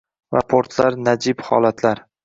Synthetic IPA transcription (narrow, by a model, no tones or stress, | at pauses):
va̰pʰoɾt̪ʰlaɾnad͡ʒɪbhɒ̰lat̪ʰlaɾ